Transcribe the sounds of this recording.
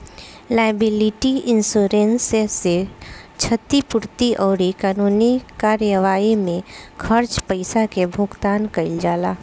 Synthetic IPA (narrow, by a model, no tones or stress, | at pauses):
laːɪbɪlɪʈiɪnsoːɾenseset͡ʃʰət̪ipʊɾt̪iʔɔːɾikaːnuːnikaːɾjəʋaːimẽkʰɐɾt͡ʃpəɪsakebʱʊɡt̪aːnkɐɪld͡ʒaːlaː